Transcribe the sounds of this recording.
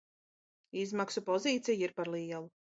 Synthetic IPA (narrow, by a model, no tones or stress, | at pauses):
izmaksupɔziːt̪sɛjiɾpaɾlˠiɛlˠu